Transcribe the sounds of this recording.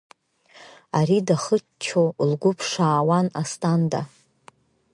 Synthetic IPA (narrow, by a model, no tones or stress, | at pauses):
aɾidaχət͡ʃt͡ʃʰowlɡʷʊpʰʂaːwanastʼanda̰